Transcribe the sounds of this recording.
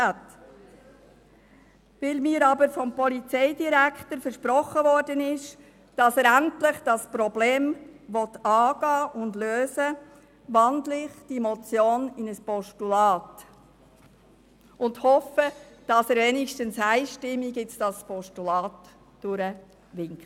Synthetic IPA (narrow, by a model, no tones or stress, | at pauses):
t | ʋɪlmiːɾɑbəɾfɔmpɔlit͡sɛɪdiɾækχtəɾfəɾʃpɾɔχəvɔrdənɪʃ | d̥ɑsəːɾæntlɪχd̥ɑspɾɔbleːmʋɔtɑːɡ̥ɑːʔʊndløːzə | ʋɑndlɪχd̥imɔt͡sjoːnɪnəspɔʃtulɑːt | ʔʊndhɔfəd̥ɑsəɾʋɛnɪʃtənsæɪʃtɪmːiɡɪt͡sd̥ɑspɔʃtulɑːt | d̥ʊɾə | ʋɪŋkχt